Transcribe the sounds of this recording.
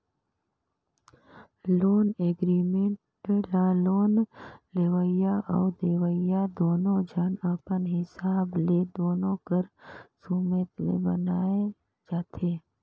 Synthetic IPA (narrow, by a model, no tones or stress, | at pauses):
loːneːɡɾiːmẽɳʈ | laloːnleːʋəijaʔɔːd̪eːʋəjad̪oːnõd͡ʒʱənəpənɦɪsaːbled̪oːnõkəɾsumət̪lḛbə̰naːe | d͡ʒaːt̪ʰeː